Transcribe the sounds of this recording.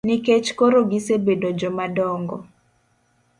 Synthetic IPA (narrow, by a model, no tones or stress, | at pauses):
niket͡ʃkoɾoɡisebedod͡ʒɔmadɔŋɡɔ